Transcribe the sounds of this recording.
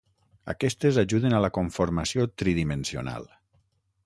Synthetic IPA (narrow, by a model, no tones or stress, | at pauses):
a̰kɛst̪ezaʒuð̞enalakoɱfoɾmasiot̪ɾiðimensio̰na̰lˠ